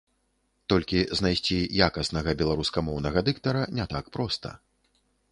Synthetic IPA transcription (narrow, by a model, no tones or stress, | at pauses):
t̪ɔlʲkʲiznajsʲt͡sʲijakɐsnɐɣɐbʲɛlˠaɾuskɐmɔwnɐɣɐd̪ɨkt̪ɐɾɐnʲɛt̪akpɾɔst̪ɐ̰